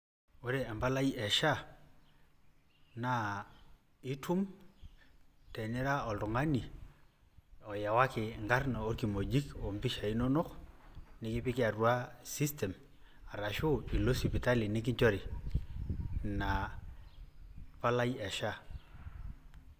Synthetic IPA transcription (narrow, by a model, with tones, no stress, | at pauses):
o˦ɾɛ˨ɛ˨mba˦la˦jɛ˨ʃa˦˨ | na˦ | ɪ˦tʰu˦m | tɛ˨nɪ˦ɾa˦ɔ˨ltʊ˨ŋa˦ni˨ | ɔ˨ja˨wa˦kɪ˨ŋɡa˦rna˨o˦ɾki˨mo˨d͡ʒi˦kɔ˨mpi˦ʃa˨i˦nɔ˦nɔ˦knɪ˦kɪ˦pɪ˦kɪ˦a˨ru˦a˦si˦stɛ˨m | a˨ɾa˨ʃʊ˦i˨lo˦si˨pi˨ta˦li˨nɪ˦k̬ɪ˦ɲt͡ʃɔ˦ɾɪ˨ | na˨ | pa˦la˦ji˦ɛ˨ʃa˦˨